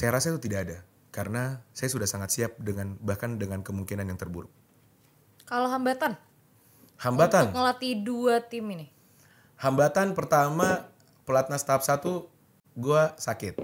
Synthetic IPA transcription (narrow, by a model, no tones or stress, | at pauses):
sajaɾasat̪ut̪idaːda | kaɾənasajasudahsaŋat̪siap̚dəŋanbahkandəŋankəmuŋkinanjaŋt̪ərbuɾʊk̚ | kaloɦambat̪an | hambat̪anŋəlat̪iduat̪iminɪ | hambat̪anpərt̪ama | pəlat̪̚nast̪aap̚sat̪u | ɡuasakɪt̪̚